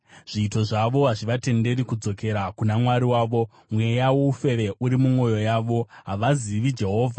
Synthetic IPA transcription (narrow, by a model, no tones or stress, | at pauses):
ʐ̥iːto̞ʐaʋo̞ɦaʐiʋate̞nde̞ɾikud͡zo̞ke̞ɾakunamwaɾiwaːʋo̞ | mwe̞jawoufe̞ʋe̞ʔuɾimumwo̞jo̞jaːʋo̞ɦaʋaziʋid͡ʒe̞ɦo̞ːvʱa